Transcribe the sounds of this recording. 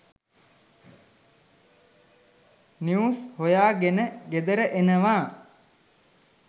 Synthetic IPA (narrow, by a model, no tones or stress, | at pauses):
niushojaːɡenəɡed̪əɾəʔenəʋaː